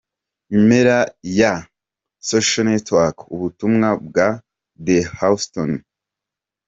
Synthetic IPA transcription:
imeɾaja | soʃonetwakuβutumŋabɡa | dehawston

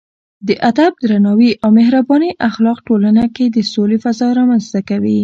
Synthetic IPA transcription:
d̪əʔad̪ab̚d̪ɾanɑwiʔawmɪɦɾabɑniʔaxlɑqʈolanaked̪əsolefazɑɾɑmanzt̪akawi

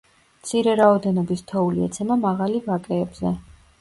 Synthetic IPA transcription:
mt̪sʰiɾɛɾaɔd̪ɛnɔbist̪ʰɔuliɛt̪sʰɛmamaʁalivakʼɛːbzɛ

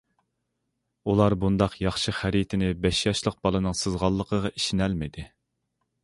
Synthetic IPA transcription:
ulˠɑɾbund̪ɑqʰjɑχʃɨχæɾit̪ʰɪnɪbɛʃjɑʃlˠəq̚bɑlˠɨnɨŋsɨzʁɑlˠːəqʰəʁɑʔi̥ʃinɛlmɪd̪ɪ

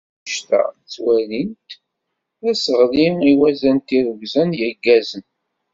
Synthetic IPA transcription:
ʃt̪æ̰ | t͡sːwælint̪ | æsəʁliiwæzænt̪iɾəɡzænjəɡːæzən

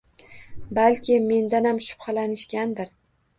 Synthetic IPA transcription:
balkʲʰɪme̞nd̪anamʃʊ̥pχɑlanɪʃkʲand̪ɪɾ

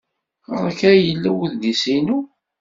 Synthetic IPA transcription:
əɾˤækɾjəlːæwəðd̪isinu

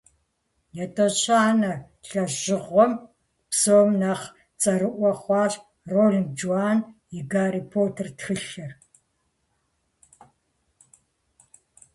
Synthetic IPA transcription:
jɛtʼot͡ʃʰʼaːnɐ | ɬɐʒɪʁʷɔm | psoːmnɐχ | t͡sʼɐɾɨʔʷɔχʷɑːɕ | roːɮŋd͡ʒuaːnjɪɡaːɾiːpʰoːtʰɐrtxɨɬɨr

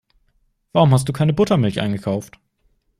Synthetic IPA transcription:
v̥aʁʊmhas̬td̥uːkʰaɪnəbʊtɐmɪlçʔa̰ɪnɡəkʰaʊft

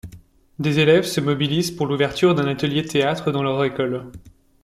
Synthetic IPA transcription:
d̪ezelɛvsəmɔbilizpuʁluvɛʁt̪ʰyʁd̪ɛ̃nat̪əljet̪ʰeat̪χəd̪ɑ̃lœʁekɔl

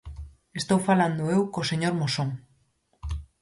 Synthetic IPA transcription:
est̪owfaland̪oewkoseɲoɾmosoŋ

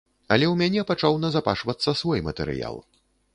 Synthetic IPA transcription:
ɐlʲɛwmʲanʲɛpat͡ʂawnɐzapa̰ʂvɐt̪sːɐsvɔjmɐt̪ɛ̰ɾɨ̰ja̰lˠ

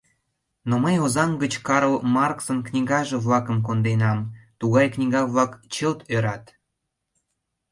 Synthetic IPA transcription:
noməjozɑmɡət͡ɕkɑɾolmɑrksənknʲiɣɑʒĕβlɑkə̆mk̬ond̪enɑmt̪uɣɑjknʲiɣɑβlɑkt͡ɕəlt̪øɾɑt̪

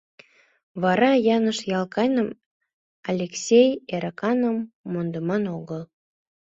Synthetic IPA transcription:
βɑɾɑjɑnəʃjɑlkɑjnəm | ɑlʲeksʲejeɾɑkɑnəmːond̪əmɑnoɣəl

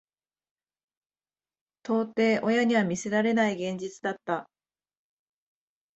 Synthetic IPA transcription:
t̪o̞ːt̪e̞ːʔojaɲ̟iβamʲise̞ɾaɾe̞naiɡẽ̞ɲ̟d͡ʑit͡sɨd̪at̪ːa

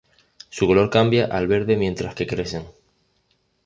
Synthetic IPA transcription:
sukolo̞ɾkambjaʔalβe̞ɾðe̞mje̞nt̪ɾaske̞kɾese̞ŋ

